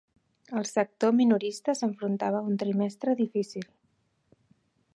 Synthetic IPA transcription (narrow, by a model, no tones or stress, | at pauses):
əlˠsək̚t̪ominuɾist̪əsəɱfɾunt̪aβ̞əunt̪ɾimɛst̪ɾəðifisilˠ